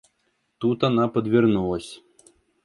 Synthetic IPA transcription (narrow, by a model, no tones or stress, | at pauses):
t̪ut̪anapɐd̪vʲɛrnulˠɐsʲ